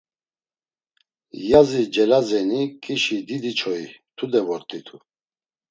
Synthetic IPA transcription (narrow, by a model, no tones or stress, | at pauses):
jazid͡ʒɛlazɛnikʼiʃid̪id̪it͡ʃʰɔit̪ʰud̪ɛvɔɾt̪ʼit̪ʰu